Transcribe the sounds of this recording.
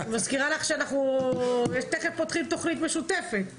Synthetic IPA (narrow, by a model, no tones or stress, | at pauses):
maskiʁalaχʃeanaχnujeʃt̪eχefpot̪χimt̪oχnit̪̬meʃut̪efe̞t̪